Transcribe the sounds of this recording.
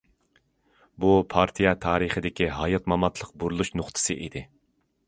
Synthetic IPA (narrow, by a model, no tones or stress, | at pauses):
bupʰɑɾt̪ʰijɑt̪ʰɑːɾɨχəd̪ɪkʲiɦɑjɑt̪mɑmɑt̪ʰlˠəq̚buɾulˠuʃnʊχt̪ʰɨ̥sɨʔid̪ɪ